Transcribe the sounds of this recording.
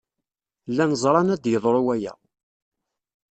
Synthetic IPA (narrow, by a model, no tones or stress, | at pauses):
lːænzˤɾˤɑnæd̪jəðˤɾˤowæjæ̰